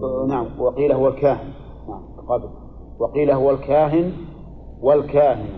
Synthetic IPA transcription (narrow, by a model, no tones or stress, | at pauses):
naʕamwɪqiːlaɦʊwalkaːhɪn | naʕambɪqɑbl | wɪqiːlaɦʊwalkʰaːɦɪn | walkaːɦɪn